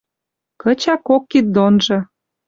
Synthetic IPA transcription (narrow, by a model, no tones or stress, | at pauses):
kə̆t͡ɕɑkokːit̪̚d̪onʒɤ̆